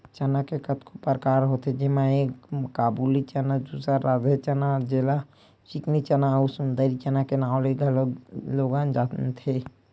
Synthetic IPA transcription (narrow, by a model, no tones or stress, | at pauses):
t͡ʃɐnakekɐt̪kʰopəɾkaːɾɦot̪ʰed͡ʒɪmãeːkkaːbulit͡ʃənad̪uːsɾaɾaːd͡ʒet͡ʃənad͡ʒela | t͡ʃɪknit͡ʃənausund̪əɾit͡ʃənakenaːleɡəlloːɡaːnd͡ʒaːt̪t̪ʰe